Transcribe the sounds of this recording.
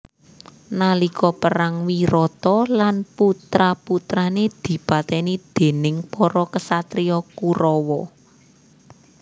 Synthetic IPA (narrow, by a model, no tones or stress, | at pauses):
nalikʰɔpəɾaŋwiɾɔt̪ɔlanput̪ɾaput̪ɾaned̪̥i̤pat̪ɛnid̪̥e̤nɪŋpɔɾɔkəsat̪ɾijɔkuɾɔwɔ